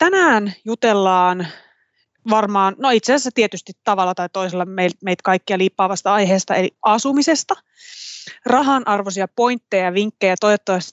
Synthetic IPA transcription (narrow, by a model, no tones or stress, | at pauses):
t̪ænæːnjut̪elːɑːn | ʋɑrmɑːnnoit̪sessːæt̪iet̪yst̪it̪t̪ɑʋɑlːɑt̪ɑit̪o̞iselːɑmeilt̪meit̪kɑikːiɑliːpːɑːʋɑst̪ɑɑjɦeːst̪ɑelḭʔɑsumise̞st̪ɑ | rɑɦɑnʔɑrʋosiɑpo̞int̪ːejjɑʋiŋkːejɑt̪o̞jʋot̪ːɑʋɑst̪